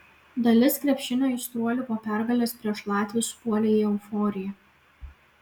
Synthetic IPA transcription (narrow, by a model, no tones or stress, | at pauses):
d̪ɐlʲɪskɾʲɛpʲʃʲɪnʲoːɪst̪ɾuɔlʲɪkoːpʲæˑɾɡɐlʲeːspʲɾʲiɛʃlˠɑːt̪ʲʋʲɪspuɔlʲeːjɛʊfɔːɾʲɪjɛ